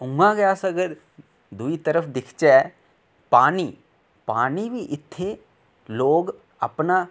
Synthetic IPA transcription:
ʊ̃ŋɡãɡəjaːsəɡəɾ | d̪ʊit̪əɾəpʰd̪ɪkʰt͡ʃɛː | paːniː | paːniːbiʔɪt̪ʰːe | loːɡ | ə̰pna

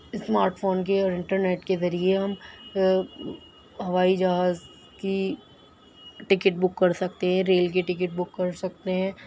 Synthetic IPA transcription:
ɪsmaːɾʈfʰoːnk̬eɔːɾɪ̃ɳʈəɾneːʈkezɐɾieɦɐm | ɦɐʋaːid͡ʒɐɦaːz | ki | ʈɪkɪʈ̚bʊkːɐɾsɐk̚t̪eɦɛ̃ɾeːlk̬iʈɪk̬ɪʈ̚bʊkːɐɾsɐk̚t̪eɦɛ̃ː

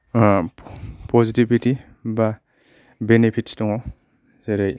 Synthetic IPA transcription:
pɔzitibiti | ba | benepʰittɔŋɔ | zeɾej

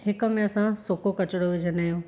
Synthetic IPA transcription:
ɦɪkə̆mẽɐsãsokokɐt͡ɕɽoʋed͡ʑʱənaːɦjõː

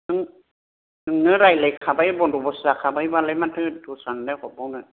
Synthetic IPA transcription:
nɯŋ | nɯŋnɯɾajlejkʰabajbɔndubɔsakʰabajbalamantʰɯdusandakʰɔbɔna

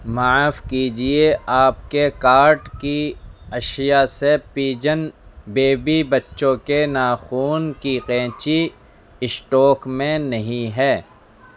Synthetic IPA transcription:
maːfkiːd͡ʒieaːpkekaːɾʈkiɐʃɪjasepiːd͡ʒənbeːbibɐtːʃõkenaːxuːnkiqẽːt͡ʃi | ɪsʈɔːkmẽnɐɦĩɦɛː

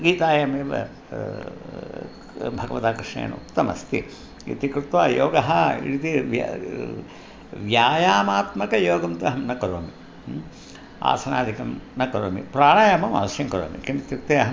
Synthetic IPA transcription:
ɡiːt̪aːjɐmeːʋɐ̰ | bʱɐɡɐʋɐt̪aːkɾʂɳḛːn̰ṵkt̪ɐmɐ̰st̪ḭ | ḭt̪ikɾut̪ʋaːjoːɡɐɦɐḭɽit̪iʋj̰ | ʋjaːjaːmaːt̪mɐkɐjoːɡɐmt̪ɐɦɐmnɐkɐɾoːmi | a̰ːsɐnaːd̪ʱikɐmnɐkɐɾoːmḭpɾaːɽaːjɐmɐmɐ̰ʋɐʃjɐŋkɐɾo̰ːmḭkinit̪jukt̪eːɐɦɐm

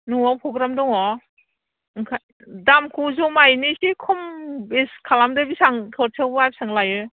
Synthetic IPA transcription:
nuŋɔpʰɾɔɡɾamdɔŋɔ | ŋkʰa | damkʰuzɔmajnisikʰɯmbeskʰalamdɯbisaŋkʰɯɾtʰewbɯajbisaŋlajɯ

